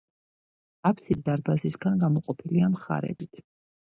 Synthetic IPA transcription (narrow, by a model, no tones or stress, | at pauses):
apʰsisd̪aɾbazisɡanɡamɔqʼɔpʰiliamχa̰ɾɛ̰bit̪ʰ